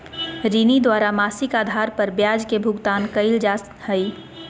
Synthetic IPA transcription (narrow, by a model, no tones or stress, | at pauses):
ɾinid̪waːɾamaːsɪkaːd̪ʱaːɾpəɾbjaːd͡ʒkebʱʊɡt̪aːnkəɪld͡ʒaː | həi